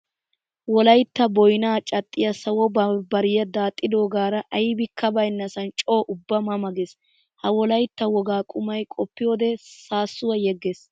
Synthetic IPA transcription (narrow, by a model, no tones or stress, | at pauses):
wɔlɐjt̪ːɐbɔjnaːt͡ʃʼɐt̪ʼːɪjɐsɐwɔbɐbɐɾɪjɐd̪aːt̪ʼːɪd̪o̞ːɡaːɾɐʔɐjbɪkʰːɐbɐjnːɐsɐnt͡ʃʼoːʔʊbːɐmɐmɐɡes | hɐwɔlɐjt̪ːɐwɔɡaːkʼʊmɐjkʼɔpːɪjo̞ːd̪ɛsaːsːʊwɐjɛɡːes